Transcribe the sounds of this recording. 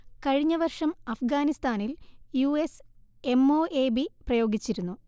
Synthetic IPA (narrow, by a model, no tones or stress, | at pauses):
kɐɻiɲːɐʋɐrʂɐmɐfɡaːnist̪aːniljuːese̞mo̞ːʔe̞ːbiprɐjo̞ːɡit͡ɕːiɾunːu